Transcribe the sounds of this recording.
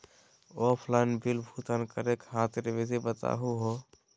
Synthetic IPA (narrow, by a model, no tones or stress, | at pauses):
ɔpʰlaɪnbilbʱut̪ənkəɾekɦãt̪ɾebesibət̪a̰ɦuɦo